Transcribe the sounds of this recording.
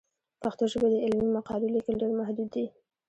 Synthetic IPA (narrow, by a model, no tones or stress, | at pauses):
paxt̪oʒəbad̪əɪlmimaqɑlulikəlɖeɾmahd̪ud̪ːi